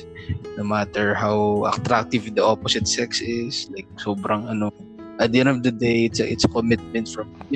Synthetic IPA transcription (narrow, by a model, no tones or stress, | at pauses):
nomat̪ɛɹhawɐ̰kt̪ɾak̚t̪ɪvd̪ɐʔopɔsɪt̪sɛksɪslajk̚soːbɾɐŋɐno | ʔɐd̪ɛnɔvd̪ɐd̪ejɪt̪sɐʔɪt̪sɐkomɪt̪̚mɛ̃nt̪fɹɐm